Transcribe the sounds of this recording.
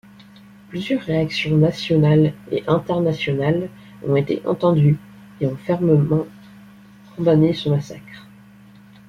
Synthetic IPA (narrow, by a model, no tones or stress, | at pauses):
plyzjœʁːeaksjɔ̃nasjɔnalḛʔɛ̃t̪ɛʁnasjɔnal | ɔ̰̃et̪ḛʔɑ̰̃t̪ɑ̃d̪y | eɔ̃fɛʁməmɑ̃ | kʰɔ̃d̪anesəmasa̰kχ